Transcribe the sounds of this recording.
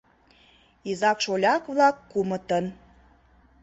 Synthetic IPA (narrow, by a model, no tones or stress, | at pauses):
izɑkʃolʲɑkβlɑkːumə̆t̪ən